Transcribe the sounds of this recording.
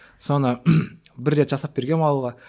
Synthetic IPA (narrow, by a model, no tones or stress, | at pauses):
so̞nə | bɪɾːe̞t̪ʒɑsɑp̚be̞ɾɡʲe̞nɑlˠuʁɑ